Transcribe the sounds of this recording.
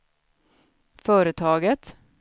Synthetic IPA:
fœːɾət̪ʰɑːɡət̪

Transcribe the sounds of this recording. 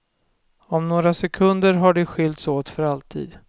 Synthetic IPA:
ɔmnoːɾasɛkʰɵnd̪əɾɦaɖɵɧʏlt̪soːt̪fœɾalt̪ʰḭːd̪

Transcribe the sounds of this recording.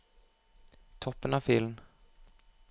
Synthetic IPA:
t̪ʰɔpːənɑfɪln

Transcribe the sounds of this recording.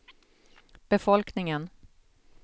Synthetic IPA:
b̥ɛfɔlknɪŋən

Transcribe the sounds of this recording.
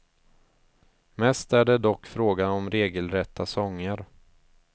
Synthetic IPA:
mɛst̪æɖɛd̪ɔkːfɾoːɡanɔmɾeːɡəlɾɛt̪ʰːasɔŋːəɾ

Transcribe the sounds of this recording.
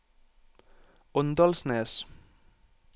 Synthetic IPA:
ɔnd̪ɑlsneːs

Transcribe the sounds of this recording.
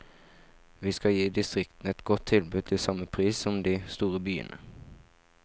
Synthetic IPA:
ʋiːskɑjiːd̪ɪst̪ʁɪkt̪n̩ɛt̪ɡɔt̪ʰːɪlbʉd̪̚t̪ʰɪlsɑməpʰʁiːsɔmd̪iːst̪uːʁəbyːə̰nʔə̰

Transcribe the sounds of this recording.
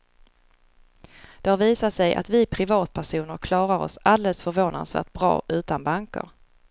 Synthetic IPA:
d̪̥ɛhaɾviːsat̪sɛjʔa̰t̪vɪpʰɾɪvɑːt̪̚pʰæʂuːnəɾkʰlɑːɾaɾɔ̰sald̪ɛləsfœɾvoːna̰nsvæ̰ːʈ̚bɾɑ̰ːʔʉ̟ːt̪anbaŋkə̰ɾ

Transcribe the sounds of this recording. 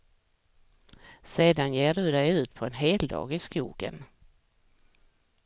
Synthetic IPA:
seːd̪anjeːɖɵd̪ɛjʉ̟ːt̪pʰɔɛnɦeːld̪ɑ̰ːɡɪskṵːɡə̰n

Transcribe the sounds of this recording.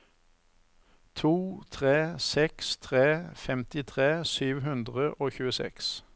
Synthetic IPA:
t̪ʰuːt̪ʰʁeːsɛkst̪ʰʁeːfɛmt̪ɪt̪ʰʁeːsyːʋɦʉnd̪ʁəʔoːçʉːəsɛ̰ks

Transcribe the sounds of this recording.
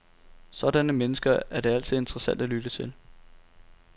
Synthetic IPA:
sɒ̽ɾ̥ænəmenəsɡ̥ɐæɐd̥e̝æl̰t͡sʰið̞̩ˠe̝nd̥ʁɐsæn̰d̥ælyd̥ət͡sʰe̝l

